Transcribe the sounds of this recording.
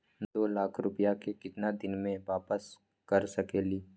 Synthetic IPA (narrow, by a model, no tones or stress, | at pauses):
d̪oːlaːkʰɾʊpijakekɪt̪nad̪ɪnmẽʋaːpəs | kɐɾsɐkeːliː